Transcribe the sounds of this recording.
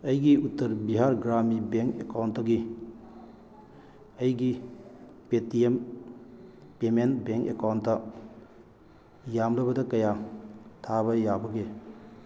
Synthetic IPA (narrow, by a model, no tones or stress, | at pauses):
ɐjɡiutːɐɾbiɦaɾɡɾamibeŋkekawntːɐɡi | ɐjɡi | petiem | pemenbeŋkekawntːɐ | jamlɐbɐdɐkɐjatʰaβɐjabɐɡe